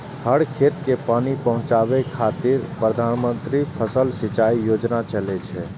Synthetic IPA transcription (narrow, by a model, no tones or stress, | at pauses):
həɽkʰet̪kepanipəɦʊ̃t͡ʃabekʰat̪iɾpɾəd̪ʱanmənt̪ɾipʰəsəlsit͡ʃaijod͡ʒnat͡ʃəlɛt͡ʃʰɛ